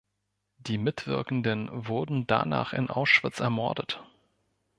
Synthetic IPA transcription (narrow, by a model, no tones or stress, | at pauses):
d̥iːmɪtv̥ɪ̰ɐkn̩dənvʊɐdn̩da̰na̰ːχɪ̰nʔa̰ʊsʃv̥ɪt͡sɛɐmɔɐdət